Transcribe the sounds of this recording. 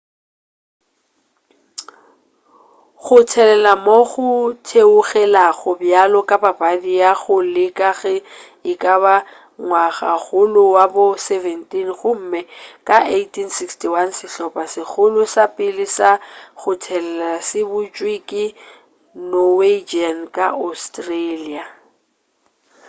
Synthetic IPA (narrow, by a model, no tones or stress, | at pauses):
ɣʊtʰɛlɛlamoɣʊtʰeʊɣɛlaɣʊbjalɔkʼababadijaɣʊlɪkʼaɣɛ | ɪkʼaβa | ŋwaɣa̰ɣʊlʊwabʊsɛvɛntʼinχʊm̩ːmɛkʼaʔejtinsikstiwansɪɬɔpʼasɪk͡xʰʊlʊsapʼɪlɪsaɣʊtʰɛlɛlasɪbʊt͡ʃʼwikʼɪ | nɔwed͡ʒiankʼaʔostrelia